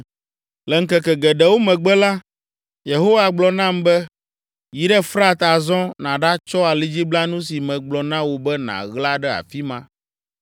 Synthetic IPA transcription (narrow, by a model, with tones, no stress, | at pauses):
lɛ˨ŋ̩˦kɛ˨kɛ˨ɡɛ˨ɖɛ˨wo˦mɛ̃˨ɡ͡bɛ˦la˦ | je˨ɦo˦wa˨ɡ͡blɔ˨nã˦˨mbɛ˦ | ji˨ɖɛ˦fɾa˦t̪a˨zɔ̃˦nã˨ɖa˦t͡ʃɔ˦a˨li˦d͡ʑi˦bla˦nũ˦si˨mɛ̃˨ɡ͡blɔ˨nã˦wo˨bɛ˦nã̰˨ɣla˦ɖɛ˦a̰˨fi˦mã̰˦